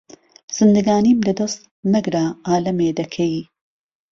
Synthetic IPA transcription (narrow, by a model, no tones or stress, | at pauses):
z̥ɨnd̪ɨɡaːniːmlɐd̪ost̪ | nɐɡɾaːʔaːlɐmeːd̪ɐkʰɐj